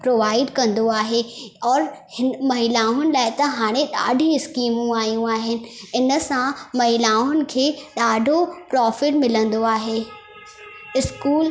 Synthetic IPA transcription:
pɾoːʋaːɪɖkɐ̃nd̪oaːɦeɔːɾhɪnmɐɦilaːʊnɪ̆laːɪt̪ɐɦaːɽ̃ẽɗa̰ːɖʱiɪskiːmũaːijũaːɦɪnɪ̆ɪnəsãmɐɦilaːʊnɪ̆kʰeːɗaːɖʱopɾɔːfɪʈmɪlə̃n̆d̪oaːɦeː | ɪskuːl

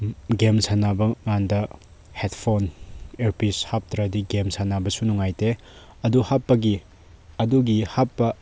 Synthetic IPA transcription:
ɡemsanabɐŋandɐ | hetpʰoneɾpishap̚tɾɐdiɡemsanabɐsunuŋajte | ɐduhapːɐɡi | ɐduɡihapːɐ

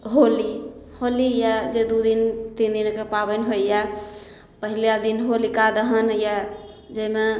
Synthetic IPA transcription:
ɦoliholijad͡ʒed̪ud̪int̪ind̪inkepabənɦoija | pəɦilijad̪inɦolikad̪əɦənja | d͡ʒəme

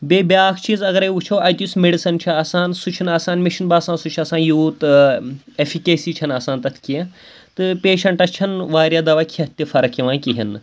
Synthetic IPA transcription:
beːbʲjaːkʰt͡ʃʰizɐɡɐɾeut͡ʃʰoːɐjt̪ʲusmeɖisɐnt͡ʃʰiaːsaːnsut͡ʃʰinaːsaːnmiʃinbaːsãːnsut͡ʃʰiɐsãːnjuːt̪ | efʰikeːsiːt͡ʃʰɐnaːsãːnt̪ɐt̪ʰkiẽ | t̪ɨpeːʃɐɳʈɐt͡ʃʰɐnʋaːɾjaːd̪ɐʋaːkʲʰiɐt̪ʲːifɐɾɐkiʋãːkiɦinɨ

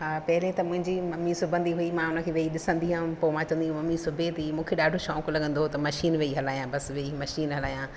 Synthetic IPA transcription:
ɦaːpɐɦɪlẽt̪ɐmʊ̃ɦɪ̃ɲd͡ʑimɐmːisʊbʱə̃nd̪iɦuimãʊnə̆kʰeːʋeiɗɪsə̃nd̪iɦãːpomãt͡ɕɐ̃ʋənd̪iɦũmɐmisʊbʱet̪iimũːkʰeɗaːɖʱoʃɔːklɐɠə̃nd̪ot̪ɐmɐʃiːnʋeiɦɐlaːjãːbɐsʋeimɐʃiːnɦɐlaːjãː

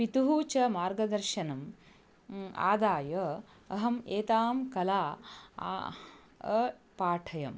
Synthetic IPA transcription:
pit̪uɦuːt͡ʃɐmaːɾɡɐd̪ɐɾʃɐnɐm | a̰ːd̪aːjɐː | ɦɐmeːt̪aːmkɐla̰ː | paːʈʰɐjɐm

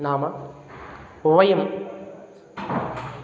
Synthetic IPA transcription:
naːmɐ | uʋɐjɐm

